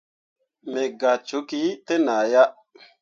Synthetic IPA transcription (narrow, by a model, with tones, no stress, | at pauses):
me˨ɡa˨t͡ʃu˨˦ki˨˦te˦na˨ja˦